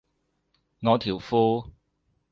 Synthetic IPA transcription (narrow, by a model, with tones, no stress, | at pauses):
ŋɔː˨˧t̪ʰiː˨˩wfuː˥